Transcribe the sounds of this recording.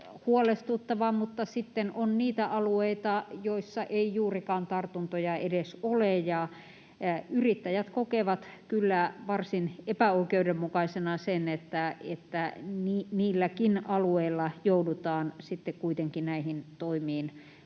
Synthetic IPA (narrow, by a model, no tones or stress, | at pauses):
huolest̪ut̪ːɑʋɑmut̪ːɑsit̪ːenonniːt̪æʔɑlueit̪ɑjoisːɑʔeijuːrikɑːnt̪ɑrt̪unt̪ojɑedesolejɑ | yrit̪ːæjæt̪kokeʋɑt̪kylːæʋɑrsinepæoikeudemmukɑisenɑsenet̪ːæet̪ːæniniːlːækinɑlueilːɑjoudut̪ɑːnsit̪ːekkuit̪eŋkinæihint̪oimiːn